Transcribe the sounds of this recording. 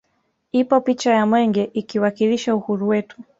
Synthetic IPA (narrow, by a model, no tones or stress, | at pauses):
ipɔpit͡ʃajamwɛŋɡɛʔikiwakiliʃauhuɾuwɛtu̥